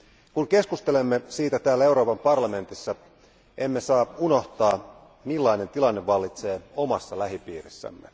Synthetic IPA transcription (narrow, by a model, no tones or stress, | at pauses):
kuŋke̞skust̪e̞le̞mːesiːt̪æt̪æːlːæe̞uɾo̞ːpɑmpɑrlɑme̞nt̪isːɑ | ʔe̞mːe̞sɑːuno̞ht̪ɑː | milːɑine̞nt̪ilɑnːeʋɑlːit̪se̞ːo̞mɑsːɑlæɦipiːrisːæ̰mːe̞